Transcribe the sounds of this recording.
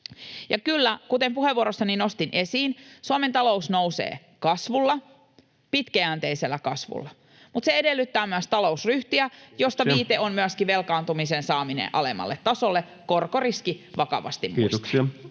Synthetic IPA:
jɑkylːækut̪empuheʋuoɾosːɑninost̪inʔesiːnsuɑment̪ɑlousnowsḛː | kɑsʋulːɑ | pit̪kæænt̪eiselːækɑsʋṵlːɑ | mut̪seedelːyt̪ːæːmyæst̪ɑlo̞usryht̪iæjost̪ɑʋiːt̪eommyæskiʋelkɑːnt̪umisensɑːminḛʔɑ̰lemɑ̰lːet̪tɑsolːe | korkoriskiʋɑkɑ̰ʋɑ̰st̪immusstks

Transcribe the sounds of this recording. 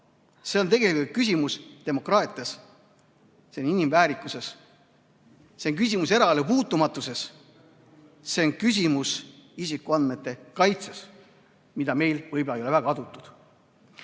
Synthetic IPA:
se̞o̞nt̪e̞ɡe̞likult̪̚kys̬ʲimust̪e̞mo̞krɑːt̪ˑiɑs | seoninimvæːɾikːˑuse̞s | se̞oŋk̬ys̬ʲimuse̞ɾɑɑlupuːt̪ːˑumɑt̪ːˑuse̞s | se̞onkys̬ʲimusisikːˑuɑnd̪me̞t̪ːˑe̞kɑjt̪ses | mid̪̥ɑme̞jlvɤjblejolevæɡ̥ɑɑd̪ut̪ːˑud̪̥

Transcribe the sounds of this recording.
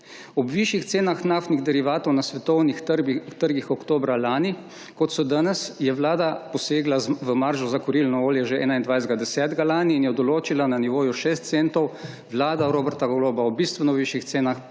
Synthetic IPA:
ɔbʋiʃjixt̪seːnaxnaft̪niɣd̪ɛɾiʋaːt̪ɔwnasʋɛt̪ɔwnixt̪əɾɡixɔkt̪oːbɾalaːni | kɔt̪sɔd̪anɛsjɛʋlaːd̪apɔseːɡlaʋəmaɾʒɔzakɔɾilnɔoːljɛʒeʔɛ̰ːnaind̪ʋajzd̪ɡad̪ɛsɛːt̪ɡalaːniːnjɛd̪ɔloːt͡ʃilananiʋoːjuʃeːst̪t̪sent̪ɔw | ʋlaːd̪aɾoːbɛɾt̪aɡɔloːbaɔbist̪ʋɛnɔʋiʃjixt̪seːnax

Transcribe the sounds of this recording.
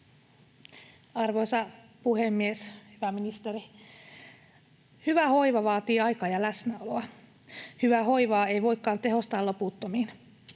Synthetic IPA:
ɑrʋojsɑpuhemːieshyʋæminist̪eɾi | hyʋæho̞iʋɑʋɑːt̪iːɑjkɑːjɑlæsnæoloɑ | hyʋæɦo̞iʋɑːeijʋo̞ikːɑːnt̪eɦo̞st̪ɑːloput̪ːomiːn

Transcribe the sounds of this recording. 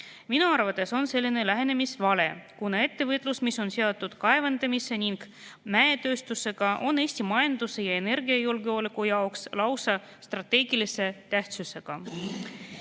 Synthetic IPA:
minuɑrvɑt̪ːˑe̞so̞nse̞lʲːine̞læɦe̞ne̞misvɑle̞kunɑe̞t̪ːe̞vɤt̪ːˑlusmisːo̞nseot̪ːˑud̪̥kɑe̞vɑnd̪̥ɑmisːe̞niŋɡ̥ | mæet̪ø̞ːst̪use̞ɡ̥ɑʔo̞neːsʲt̪imɑjɑnd̪̥use̞jɑe̞ne̞ɾɡiɑjulɡeo̞ːlikːˑujɑokslɑwsɑ | st̪rɑt̪ːe̞ːɡ̥ilise̞t̪æht̪suse̞ɡ̥ɑ

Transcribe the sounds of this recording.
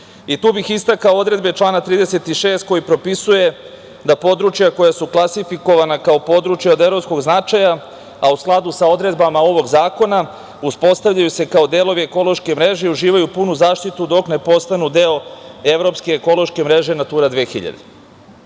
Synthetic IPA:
it̪uːbixist̪akaoo̞d̪ɾe̞d̪bet͡ʃlˠaːnat̪ɾiːd̪e̞se̞t̪iʃe̞ːst̪̚ko̞jipɾo̞pisuje̞ | d̪apo̞d̪ɾut͡ʃjako̞jasuklˠasifiko̞ʋanakaopo̞d̪ɾut͡ʃjaod̪evɾo̞psko̞ɡznat͡ʃaja | ausklˠad̪usao̞d̪ɾe̞d̪bamao̞ʋo̞ɡzaːko̞na | uspo̞st̪aʋʎajuse̞kao̞d̪e̞ːlˠo̞ʋieko̞lˠo̞ʃke̞mɾe̞ʒe̞iuʒiːʋajupunuzaːʃt̪it̪ud̪o̞kne̞po̞st̪anud̪e̞oevɾo̞pskeːko̞lo̞ʃke̞mɾe̞ʒe̞nat̪uːɾad̪ʋeːxḭʎa̰d̪e

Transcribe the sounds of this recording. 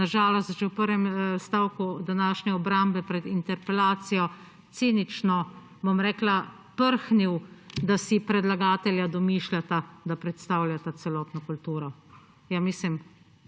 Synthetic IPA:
naʒaːlɔst̪t͡ʃɛwpəɾʋɛmst̪awkud̪anaːʃnɛɔbɾambɛpɾɛd̪int̪ɛɾpɛlaːt̪sijɔ | t̪senit͡ʃnɔ | bɔmɾɛːkla | pəɾxniwd̪asipɾɛd̪laɡaːt̪ɛljad̪ɔmiʃlʲat̪ad̪apɾɛt̪st̪aːwlʲjat̪at̪sɛlɔːt̪nɔkult̪uːɾɔ | jamislim

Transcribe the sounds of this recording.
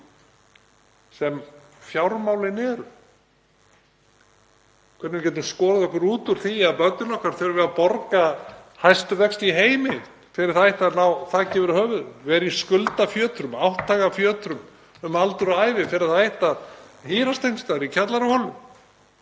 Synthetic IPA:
sɛm | fjawɾmawlɪnɛɾ | kʰvɛt̪nɪmcɛt̪ːɪmskɔːɾaðɔhkʏɾuːt̪uɾ̥θiaðpœnt̪nʏlɔhkaɾ̥θœɾvɛðapɔɾkahajst̪ʏvɛkst̪iɦeːjmɪ | fɪɾɪɾ̥θaɪht̪anawθacɛːvʏɾʏhœːvʏðvɛɾiskʏlt̪afjœːt̪ɾʏmawht̪ʰːaːɣafjœːt̪ɾʏm | ʏmalt̪ʏɾaːjvɪfɪɾɪθaɪht̪aðhiːɾast̪ejnst̪aɾicʰat̪laɾʏhɔlʏm

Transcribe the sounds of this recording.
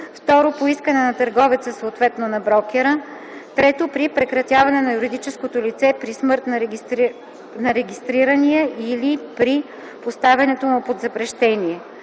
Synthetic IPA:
ft̪ɔɾopoiskənɛnɐt̪əɾɡɔvit̪səsoːt̪vɛt̪nonɐbɾɔkʲɛɾə | t̪ɾɛt̪opɾipɾɛkɾɐt̪ʲjavɐnɛnɐjuɾid̪it͡ʃɛskot̪olit̪sɛpɾismɤɾt̪nɐɾʲ | nɐɾɛɡʲist̪ɾiɾəniɛʔilipɾi | post̪avɛnɛt̪omʊpod̪zɐpɾɛʃt̪ɛniɛ

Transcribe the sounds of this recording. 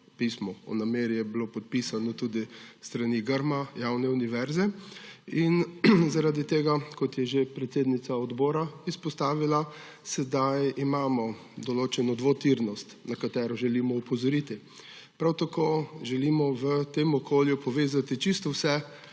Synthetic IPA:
pismɔɔ̰nameːɾjɛbilopɔt̪̚pisanɔt̪ud̪ist̪ɾaniɡəɾmajawnɛuniʋɛɾzɛ | inzaɾaːd̪it̪eːɡakɔt̪jɛʒepɾɛt̪seːd̪nit̪saɔd̪bɔːɾaispɔst̪aːʋila | sɛd̪ajimaːmɔ | d̪ɔloːt͡ʃɛnɔd̪ʋot̪iɾnɔst̪nakat̪ɛːɾɔʒɛlimɔupɔzɔɾit̪i | pɾawt̪akoːʒɛlimɔʋət̪emɔkʰoːljupɔʋeːzat̪it͡ʃist̪ɔwsɛ

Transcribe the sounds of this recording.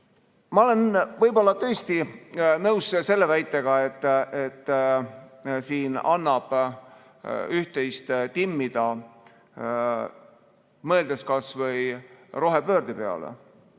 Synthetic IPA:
mɑo̞le̞nvɤjbo̞lːɑt̪ɤ̞ːst̪inɤwsse̞lːe̞væjt̪ːˑe̞ɡ̥ɑe̞t̪ːˑet̪ː | siːnɑnːɑb̥ | yht̪e̞jst̪t̪imːid̪̥ɑ | mɤ̞eld̪̥eskɑsvɤjro̞ɦe̞pø̞ːɾd̪̥ipe̞ɑ̰lḛ

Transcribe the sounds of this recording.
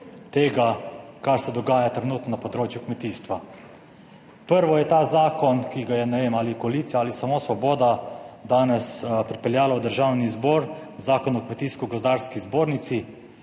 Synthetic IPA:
t̪eːɡakaɾsɛd̪ɔɡaːjat̪ɾɛnuːt̪nɔnapɔd̪ɾoːt͡ʃjukmɛt̪iːst̪ʋa | pəɾʋɔjɛt̪aːzaːkɔnkiɡajɛnɛʋeːmaːlikɔaliːt̪sijaalisamoːsʋɔboːd̪ad̪aːnɛspɾipɛljaːlawd̪əɾʒawnizbɔːɾzaːkɔnukmɛt̪iːskuɡɔzd̪aːɾskizboːɾnit̪si

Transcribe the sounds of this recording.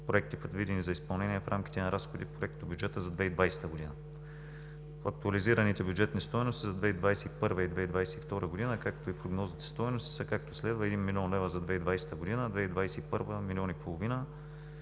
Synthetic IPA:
pɾoɛk̚t̪ipɾɛd̪vid̪ɛnizɐispɐlˠnɛniɛfɾʔamk̟ʲi̥t̪ɛnɐɾasxod̪ipɾoɛk̚t̪obʲjud͡ʒɛt̪əzɐd̪vɛid̪vajsɛ̥t̪əɡod̪inə | ɐk̚t̪uɐliziɾənit̪ɛbʲjudd͡ʒɛt̪nist̪ɔjnost̪izɐd̪vɛid̪vajsɛipɤɾvəid̪vɛid̪vajsɛift̪ɔɾəɡod̪inəkakt̪oipɾoɡnɔzit̪ɛ̥st̪ɔjnost̪i̥səkak̚t̪oslɛd̪vəɛd̪inmilʲiɔnlɛvɾəzɐd̪vɛid̪vajsɛ̥t̪əɡod̪inəd̪vɛid̪vajsɛipɤɾvəmilʲɔnipolˠovinə

